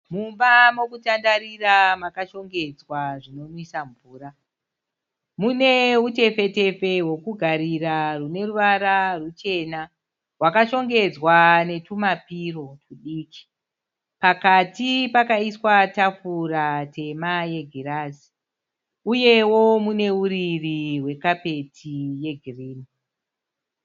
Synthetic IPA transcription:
mumbamo̞kutandaɾiramakaʃo̞ŋɡe̞d͡zwaʐino̞nisaɱvuːra | mune̞ute̞fe̞te̞fe̞ɦwo̞kuɡʱaɾirarune̞ruʋaɾarut͡ʃe̞na | wakaʃo̞ŋɡe̞d͡zwane̞tumapiro̞kuɗiːki̥ | pakatipakaiswatafuratʰe̞maje̞ɡʱiɾazi̥ | uje̞wo̞mune̞uɾiriwe̞kape̞tʰije̞ɡʱiriːni

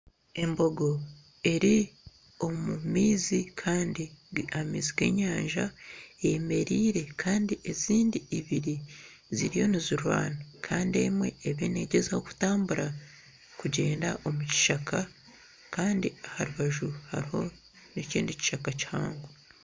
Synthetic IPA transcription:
e̞mbo̞ɡo̞ | e̞ɾi | o̞mumiːzikʰaːndiamḭziɡwe̞̰ɲaːɲʒaejeme̞ɾiːɾe̞kʰaːndie̞ziːndiːβiɾi | ziɾijo̞niziɾwa̰ːnakʰaːndie̞mwe̞ːβene̞ɟe̞zaho̞ku̥taːmbuɾa | kuɟe̞ːndaʔo̞muci̥ʃakʰa | kaːndiahaɾuβaʒuha̰ɾiho̞ | neciːndici̥ʃakaciha̰ːŋɡo

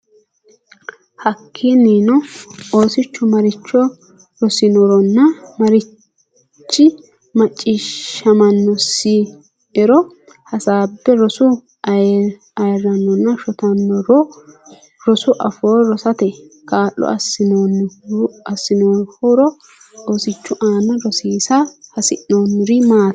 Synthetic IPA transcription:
hɐkʰːiniːnɔo̞ːsɪt͡ʃːʊmɐɾɪt͡ʃːɔ | ɾɔsɪnɔɾɔnːɐmɐɾɪ | t͡ʃːɪ | mɐt͡ʃʼːiːʃːɐmɐnːɔsi | ɛɾɔ | hɐsaːbːɛɾɔsʊ | ɐjɛ | ɐjɛrːɐnːɔnːɐʃɔt̪ɐnːɔɾɔ | ɾɔsʊʔɐfoːɔɾɔsɐt̪ɛkaːʔːɔ̰ʔɐ̰sɪnoːnː | ɐsːɪnoːnhɔɾɔ | osɪt͡ʃːʊʔaːnɐɾɔsiːsɐhɐsɪʔoːnːɾɪmaː

